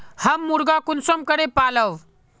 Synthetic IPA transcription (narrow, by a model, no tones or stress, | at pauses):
həmːuɾɡakunsəmkəɽepaləʋ